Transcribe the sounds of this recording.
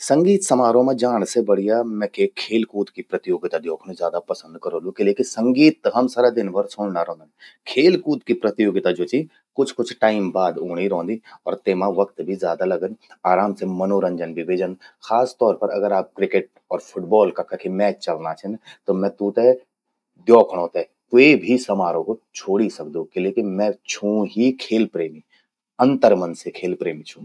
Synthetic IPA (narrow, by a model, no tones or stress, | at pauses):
sə̃ŋɡiːt̪sɐmaːɾõmẽd͡ʒaːɽ̃sebɐɽ̤ijamɛ̃ːkekʰeːlkuːt̪kipɾɐt̪ɪjoːɡɪt̪ad̪joːkʰñzjaːd̪apɐsə̃nd̪̚kɐɾoːlũkeleːkɪnsə̃ŋɡiːt̪̚ɦɐmsəɾad̪ɪnbəɾsʊːɳnaɾɔ̃ːnd̪nkʰeːlkuːt̪kipɾət̪ɪjoːɡɪt̪ad͡ʒoːt͡ʃi | kʊt͡ʃʰkʊt͡ʃʰʈaːɪmbaːd̪oːɽ̃iɾɔ̃ːnd̪iɔ̰ːɾt̪eːmãʋɐkt̪bʱizjaːd̪alɐɡənaːɾaːmsemɐnoɾə̃ɲd͡ʒənbʱiʋeːd͡ʒənxaːst̪ɔːɾpɐɾɐ̰ɡəɾaːp̚kɾɪkeʈ̚ | ɔːɾpʰʊʈbɔːlkakʰɐkʰemɛːt͡ʃt͡ʃɐlnat͡ʃʰɛnt̪omɛ̃ːt̪ũt̪e | d̪jɔːkʰɽ̃õːt̪ɛ | t̪ʊebʱisɐmaːɾõkot͡ʃʰoːɽisɐk̚d̪ũkeleːkɪnmɛ̃t͡ʃʰũɦikʰeːlpɾeːmi | ɐ̃nt̪əɾməɐnsekʰeːlpɾeːmit͡ʃʰũː